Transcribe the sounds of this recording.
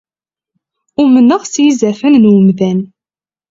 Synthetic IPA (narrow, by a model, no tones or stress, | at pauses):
ʊmənːəʁsjizæfænnwəmðæn